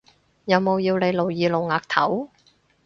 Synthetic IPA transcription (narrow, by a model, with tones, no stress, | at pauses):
jɐ˨˧wmo˨˧wjiː˧wne˨˧jlo˨˩wjiː˨˧lo˨wŋaː˨k̚t̪ʰɐ˨˥w